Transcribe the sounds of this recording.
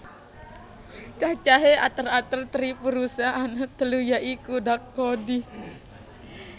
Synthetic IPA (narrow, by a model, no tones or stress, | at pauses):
t͡ʃaht͡ʃaɦeat̪ərat̪ərt̪əɾipuɾusaanat̪əlujaʔikudakːodi